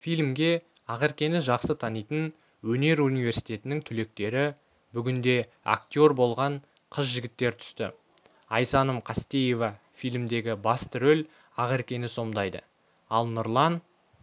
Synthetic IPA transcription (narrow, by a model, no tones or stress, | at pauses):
fijlmɡʲe̞ | ɑʁeɾkʲe̞nɪʒɑqsət̪ʰɑnijt̪ən | wɵne̞ɾunijve̞ɾsijt̪e̞t̪ɪnɪŋt̪ʰʏle̞k̚t̪e̞ɾɪ | bʏɡʲɪnd̪e̞ | a̰kt̪ʲjo̞ɾbo̞lˠʁɑɴ | qʰəzʒɪɡʲɪt̪ːe̞ɾt̪ʰʏ̥st̪ɪ̰ | ɑjsɑnəmqʰɑst̪e̞je̞vɑ | fijlʲmd̪e̞ɡʲɪbɑst̪əɾɵl | ɑʁeɾkʲe̞nɪso̞md̪ɑjd̪ə̰ | ɑlˠnʊɾlˠɑn